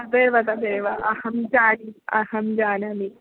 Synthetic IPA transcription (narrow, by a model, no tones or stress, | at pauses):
ɐd̪eːʋɐt̪ɐd̪eːʋɐʔɐhɐmt͡ʃaːɾiɐ̰hɐmd͡ʒaːnɐmi